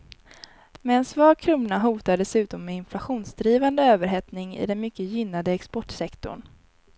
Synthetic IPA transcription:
mɛɛnsvɑːɡkʰɾuːnːaɦuːt̪aɖ̪ɛsʉ̟ːt̪ɔmːɛɪnflaɧuːnsd̪ɾiːvand̪əøːvəɾɦɛt̪nɪŋɪ̰d̪ɛnmʏkːəjɪnːad̪əɛkspɔʈsɛkt̪ɔ̰ɳ

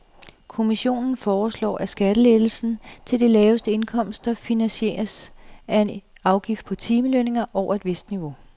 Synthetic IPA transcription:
kʰo̝miɕo̝̰ːnn̩fɒːslɒ̰ːʔæsɡ̥æɾ̥əleðl̩sn̩t͡sʰe̝ld̥e̝lɛːʊəsd̥əe̝nkʰɒ̽m̰sd̥ɑ̈finænɕe̝̰ːɐsæe̝nɑ̈ʊɡ̥ifd̥̚pʰɒ̽t͡sʰiːməløne̝ŋɐʔɒʊ̰ɐe̝d̥ʋe̝sd̥niʋo̝

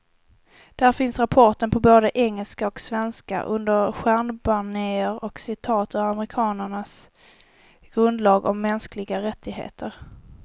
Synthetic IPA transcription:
d̪̥æɾfɪnsɾapʰɔʈənpʰɔboːd̪əʔɛŋːəlskaɔksvɛnska̰ʔɵnd̪əɾɧæɳbaɳeːəɾɔksɪt̪ʰɑːt̪ʰɵamɾɪkʰɑːnəɳas | ɡ̥ɾɵnd̪lɑːɡɔmːɛnsklɪɡaɾɛt̪ʰːɪɡɦḛːt̪ʰəɾ

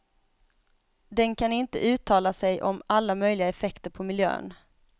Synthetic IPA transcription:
d̪ɛnkʰanɪnt̪ə̰ʔʉ̟ːt̪ʰɑːlasɛjʔɔmalːamœjlɪɡaɛfɛkt̪əɾpʰɔmɪljø̰ːn

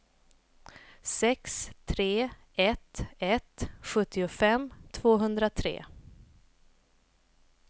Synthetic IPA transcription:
sɛkst̪ʰɾeː | ɛt̪ɛt̪ɧɵt̪ʰːɪʊfɛmt̪ʰvoːɦɵnd̪ɾat̪ʰɾḛː

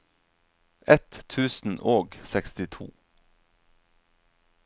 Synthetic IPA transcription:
ʔɛt̪ʰʉːsn̩ʔoːɡsɛkst̪ɪt̪ʰṵː

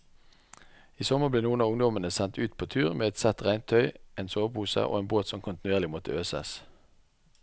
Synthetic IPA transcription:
iːsɔməʁbleːnuːənɑːʊŋd̪ɔmənəsɛnt̪ʉːt̪̚pʰoːt̪ʰʉːʁmeːɛt̪sɛt̪ʁæɪnt̪ʰœʏʔeːnsoːʋpʰuːsə̰ʔo̰ːeːnboːt̪sɔmkʰʊnt̪nʉeːʁlɪmɔt̪əøːsɛ̰s

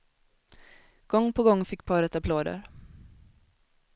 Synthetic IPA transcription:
ɡ̥ɔŋːpʰɔɡɔŋːfɪkːpʰɑːɾɛt̪apʰloːd̪ə̰ɾ

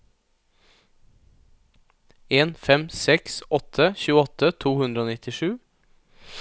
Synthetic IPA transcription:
eːnfɛmsɛksɔt̪ʰəçʉːəɔt̪ʰət̪ʰuːhʉnd̪ɾəoːnɪt̪ʰɪʂʉː

